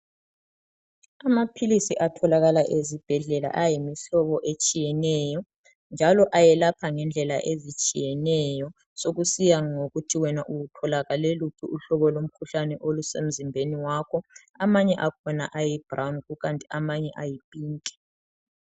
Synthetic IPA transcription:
amapʰilisiʔatʰɔlaɣalaʔezib̥ʱɛɮɛla̰ʔajimiɬɔβɔʔet͡ʃʼijɛnɛjɔ | nd͡ʒʱalɔʔajɛlapʰaŋɛnd͡ɮʱɛla̰ʔezit͡ʃʼijɛnɛjɔ | soɣusijaŋoɣutʰiwɛnaʔuɣutʰɔlaɣaleluǀʰuuɬɔβɔlom̩kʰuɬanɛʔolusem̩zimbʱeniwakʰɔ | amaɲɛʔakʰɔna̰ʔajib̥rawnɣuɣantʼiamaɲɛʔajipʼiːŋkʼɛ̥

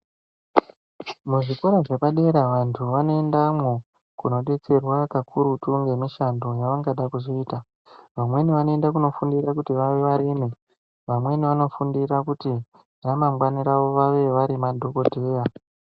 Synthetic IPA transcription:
muʐikoɾaʐe̞paɗe̞ɾaʋantʰuʋano̞endamwe | kuno̞ɗe̞t͡se̞rwakakʰuɾutuŋɡe̞miʃando̞jaʋaŋɡaɗakuʐiiːta | ʋamwe̞niʋano̞endakuno̞fundirakutiʋaʋe̞ʋaɾime | ʋamwe̞niʋano̞fundirakuti | ramamɡwaniɾaʋo̞ʋaʋe̞ʋaɾimadʱo̞ko̞dʱeːra

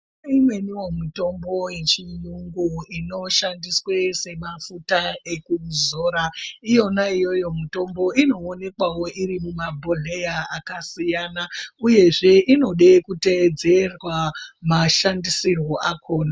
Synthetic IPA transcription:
imwe̞niwomito̞mbo̞je̞t͡ʃijuŋɡuino̞ʃandiswe̞se̞mafutae̞kuzoːɾaijo̞naijo̞jo̞mito̞mbo̞ino̞ːne̞kwawo̞ʔiɾimumabʱoɮe̞jaakasijanauje̞ʐe̞ʔino̞ɗe̞kute̞d͡ze̞rwamaʃandisirwo̞ʔakʰo̞ːna

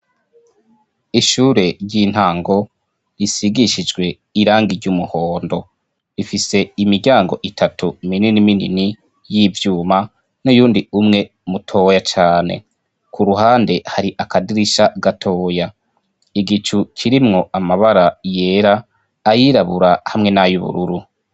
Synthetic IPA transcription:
iʃuːɾe̞ɾɟin̥haːŋɡo̞ | isiɡiʃid͡ʒɡwe̞ | iɾaːŋɡiɾɟumuhoːndo̞ | ifise̞imiɾɟaːŋɡo̞̰ʔitʰatumininiminḭni | jivjuːma | nujuːndiumŋe̞ | mutʰo̞ːjat͡ʃaːne̞̰ | kʰuɾuɦaːnde̞haɾiʔakadiɾiʃaɡatʰoːja | iɡit͡ʃukʰiɾimŋo̞amaβaɾaje̞ːɾaː | jiɾaβuɾahamŋe̞najuβṵɾuɾu

